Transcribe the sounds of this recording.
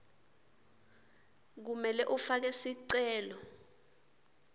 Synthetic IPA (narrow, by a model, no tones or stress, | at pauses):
k̬umɛlɛʔufak̬ɛsiǀɛːlɔ